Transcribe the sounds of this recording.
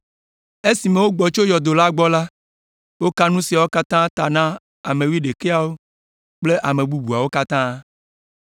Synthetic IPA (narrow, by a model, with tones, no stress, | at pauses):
e˦si˨me˨wo˦ɡ͡bɔ˨t͡ʃo˦jɔ˨d̪o˨la˦ɡ͡bɔ˦la˦ | wo˦ka˦nũ˦si˨a˨wo˦ka˦t̪ã˦t̪a˨nã˦ | a˨mẽ˨wi˦ɖe˨ke˦a˨wo˦ | k͡ple˦ʔa˨mẽ˨bu˦bu˨a˨wo˦ka˦t̪ã˦